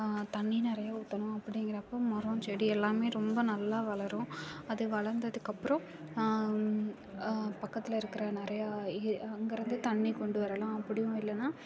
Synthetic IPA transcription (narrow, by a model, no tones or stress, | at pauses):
t̪ɐɳːinɪɾɐjaʊt̪ːɐnʊ̃ɐpːɐɽɪŋɡɪɾɐpːoːmɐɾõt͡ʃeːɽiɛlːaːmeːɾɔmbɐnɐlːaːʋɐɭɐɾʊ̃ɐðɯʋɐɭɐɾnd̪ɐðɯkːɐpːɯɾɐ̃ | pɐkːɐt̪ːɪlɐɪɾɯkːɪɾɐnɪɾɐjaɪɐŋɡɐɾɯnd̪ɯt̪ɐɳːikɔɳɖɯʋɐɾɐlãːɐpːɐɽɪjʊ̃ɪlːɐnːaː